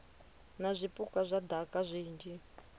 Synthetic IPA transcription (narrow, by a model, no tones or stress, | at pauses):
nazʷipʼukazʷad̪ʱakʼaʐʷiːnd͡ʒi